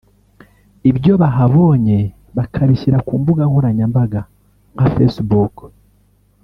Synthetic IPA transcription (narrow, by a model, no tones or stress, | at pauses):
iβjo̞βaɦaβo̞ːɲe̞ | βakʰaβiʃiɾakuːmbuɡaŋhuɾaɲambaɡa | ŋɡafḛsbuk